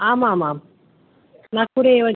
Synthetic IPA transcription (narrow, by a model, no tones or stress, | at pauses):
aːmaːmaːm | nakuɾeeʋə